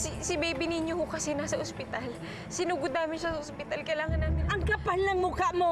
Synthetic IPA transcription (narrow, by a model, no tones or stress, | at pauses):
sɪsɪbejbɪnɪɲjohʊkɐsɛnasɐʔospɪt̪al | sɪnuːɡʊd̪naːmɪnʃasɐʔospɪt̪alkɐjlaːŋɐnːaːmɪnɐŋkɐpalnɐŋmukaʔmo